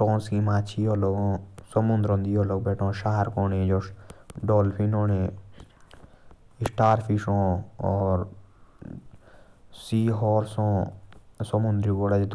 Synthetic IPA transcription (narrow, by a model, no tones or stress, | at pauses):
ʈɔ̃ːnskimaːt͡ʃʰiːoːloːɡõːsəmʊ̃nd̪ɾɔ̃ːnd̪ijoːloːɡbeːʈʰõːʃaːɾkoːned͡ʒoːɖoːlpʰinoːne | ɪsʈaːɾpʰiʃõːɔːɾ | siːɦɔːɾsõː | səmʊ̃nd̪ɾiɡoɽad͡ʒd̪